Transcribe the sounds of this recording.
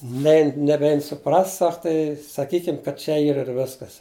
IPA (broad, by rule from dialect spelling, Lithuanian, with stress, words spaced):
ˈnʲɛɪn nʲɛˈbʲɛɪn sʊˈprɐst ˈsɐk tɐɪ sɐˈkʲiːkʲɪm kɐt ˈt͡ʃʲɛ ˈiːr ɪr ˈʋʲɪskɐs